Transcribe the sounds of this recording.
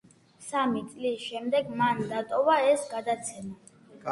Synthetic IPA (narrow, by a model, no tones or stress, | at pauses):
samit̪sʼlisʃɛmd̪ɛɡmand̪at̪ʼɔvaɛsɡad̪at̪sʰɛma